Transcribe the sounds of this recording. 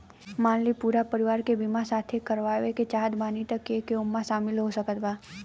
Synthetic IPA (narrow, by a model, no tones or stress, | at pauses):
mãnlipuɾapəɾiʋaɾkebimasat̪ʰekəɾʋaʋeket͡ʃaɦd̪bãnit̪əkekeumːãʃamɪlɦoʃəkət̪ʋa